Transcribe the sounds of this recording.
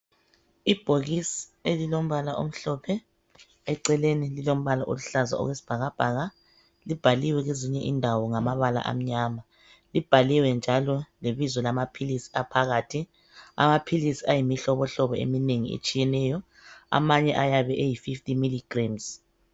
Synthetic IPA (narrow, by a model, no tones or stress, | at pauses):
ib̥ʱoɣisielilom̩βalaʔo̰m̩ɬɔpʰɛ | ɛǀɛlenililom̩βalaʔo̰luɬaza̰ɔ̰ɣwesi̥b̥ʱaɣab̥ʱaːɣa | lib̥ʱaliwɛɣeziɲɛʔindʱawɔŋamaβala̰ʔa̰m̩ɲaːma | lib̥ʱaliwɛnd͡ʒʱalɔleβizɔlamapʰilisi̥apʰaɣaːtʰi | a̰mapʰilisiajimiɬɔβɔɬɔβɔḛmineŋḭḛt͡ʃʼijɛnɛjɔ | a̰maɲɛʔajaβɛʔejififtʼimiliɡ̥ramz̥